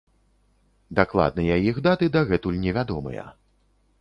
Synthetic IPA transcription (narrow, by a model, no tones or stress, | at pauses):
d̪aklˠa̰d̪̚nɐjɐjixd̪at̪ɨd̪aɣɛt̪ulʲnʲɛvʲad̪ɔmɨ̰jɐ̰